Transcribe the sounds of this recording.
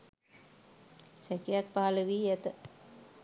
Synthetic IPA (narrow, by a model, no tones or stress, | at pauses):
sɛkijak̚paːləʋiːɛt̪ə